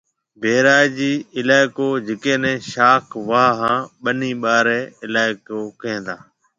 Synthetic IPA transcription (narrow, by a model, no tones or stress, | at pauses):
bʱeːɾaːjd͡ʒiːɪlaːɪkoːd͡ʒɪkẽːnɛ̃ːʃaːkʰʋaːɦãːɓənĩːɓaːɾɛːɪlaːɪkoːkəẽːnd̪aː